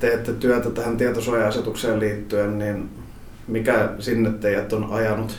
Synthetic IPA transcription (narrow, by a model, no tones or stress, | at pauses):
t̪ejæt̪ːæt̪yæt̪æt̪æhænt̪iæt̪osuɑjɑɑset̪ukseːlliːt̪ːyennin | mikæsinːet̪ːeijæt̪ːonɑjɑnut̪